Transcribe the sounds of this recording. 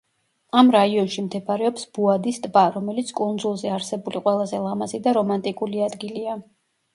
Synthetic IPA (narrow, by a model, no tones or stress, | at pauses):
amɾaiɔnʃimt̪ʰɛpʰaɾɛɔpsb̥uad̪ist̪ʼbaɾɔmɛlit̪sʰkʼund̪zulˠzɛaɾsɛbuliqʼwɛlˠazɛlˠamazid̪aɾɔmant̪ʼikʼuliad̪ɡilia